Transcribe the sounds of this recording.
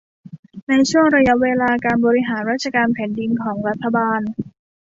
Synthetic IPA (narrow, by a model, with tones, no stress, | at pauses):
na˧jt͡ɕʰu˥˩əŋɾa˧ja˦˥weː˧laː˧kaː˧nbɔː˧ɾi˦˥ɦaː˩˦nɾaː˥t̪̚t͡ɕʰa˧kaː˧npʰɛː˩˦ndi˧nkʰɔː˩˦ŋɾa˦˥t̪ʰːa˧baː˧n